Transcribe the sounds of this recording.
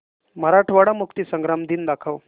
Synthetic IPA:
m̤əɾaʈʰʋaɽamukt̪iːsəŋɡɾamd̪iːnd̪akʰəʋ

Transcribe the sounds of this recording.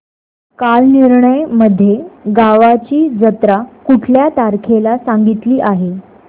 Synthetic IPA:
kalniɾɳəjməd̪ʱːjeɡaʋat͡ɕiːd͡zət̪ɾakuʈʰljat̪aɾkʰelasaŋɡit̪liːʔaɦe

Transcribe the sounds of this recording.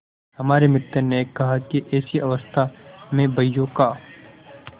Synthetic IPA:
hɐmaːɾemɪt̪ːeneːkːɐɦakiʔɛːsiʔɐʋəst̪ʰamẽbɐjːokaː

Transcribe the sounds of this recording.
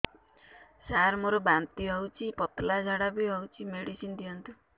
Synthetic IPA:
saɾmoɾobant̪iɦɔwt͡ʃʰipɔt̪lad͡ʒʱaɽabiɦɔwt͡ʃʰimeɽisind̪ijɔnt̪u

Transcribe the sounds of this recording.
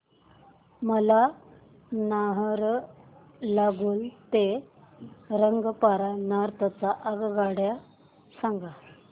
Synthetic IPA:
məla | naɦɾ | laɡuːlt̪e | ɾəŋɡpaɾanaɾt̪ət͡saʔəɡɡaɽja | saŋɡa

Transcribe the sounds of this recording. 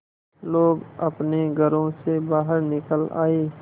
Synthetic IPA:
loːɡɐpneɡʱəɾõsebaːɦəɾnɪkəla̰ːeː

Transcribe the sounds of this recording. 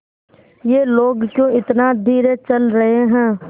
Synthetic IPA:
jeːloːɡkjõːɪt̪nad̪ʱiːɾet͡ʃɐlɾɐɦeɦɛ̃ː

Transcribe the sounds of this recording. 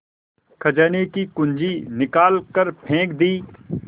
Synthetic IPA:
kʰɐd͡ʒəːnekikʊ̃nd͡ʒinɪkaːlkəɾpʰẽːkd̪iː

